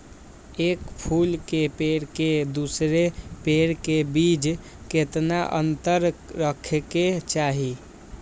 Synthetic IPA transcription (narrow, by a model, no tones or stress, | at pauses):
ekpʰulkepeɽked̪usɾepeɾkebid͡ʒ | ket̪naʔə̰nt̪əɾːəkʰeket͡ʃaɦi